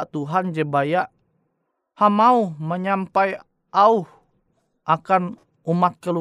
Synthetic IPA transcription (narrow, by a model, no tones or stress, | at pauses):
t̪uɦand͡ʒəbajaʔ | hamauhməɲampaj | ʔauh | ʔakan | umat̪̚kəlu